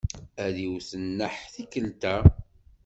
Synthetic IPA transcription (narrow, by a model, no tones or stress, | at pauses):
æðiwθənːəħθikəlt̪æ